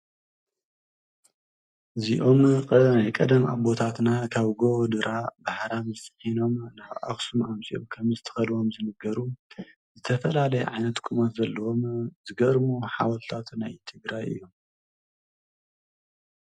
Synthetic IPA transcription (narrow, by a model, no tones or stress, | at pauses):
ɨziʔo̞mkʼnajkʼɐd̪ɐma̰bo̞t̪ʰat̪nakʰaβɡod̪ɨɾabaħɾamzɨsʼɨ̥ħino̞mnaβʔa̰xsumamsʼḭʔomkʰɐmzɨt̪ʰɐ̥xɐlwo̞mzɨnɐɡɐɾu | zɨt̪ʰɐfɐlalɐjɛ̰ʕajnɐt̪kʼumɐt̪zɐlːɐwomzɨɡɐɾmoħa̰wɐlt̪ʰat̪ʰunajt̪ʰɨɡɾajʔɨ̰jːo̞m